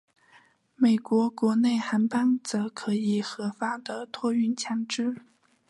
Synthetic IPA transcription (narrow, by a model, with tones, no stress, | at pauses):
me˨˩ɪkwɔ˧˥kwɔ˧˥ne˥˩ɪxa˧˥npa˥nt͡sɤ˧˥kʰɤ˧˥i˨˩xɤ˧˥fa˥d̪ə˨t̪ʰwɔ˥y˥˩nt͡ɕʰjɑ˧˥ŋʈ͡ʂɻ̩˥